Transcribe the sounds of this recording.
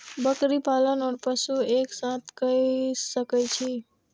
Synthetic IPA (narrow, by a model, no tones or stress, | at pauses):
bəkɾipalənɔːɾpəsueksãt̪ʰkəisəkət͡ʃʰi